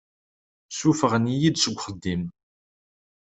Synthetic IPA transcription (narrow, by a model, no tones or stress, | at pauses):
sufəʁənijid̪səɡʷχəd̪ːim